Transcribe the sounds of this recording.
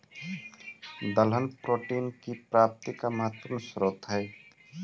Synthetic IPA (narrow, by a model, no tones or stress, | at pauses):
d̪əlɦənpɾoːʈiːnkipɾaːp̚t̪ikaməɦət̪pəɾnsɾoːt̪ɦɛː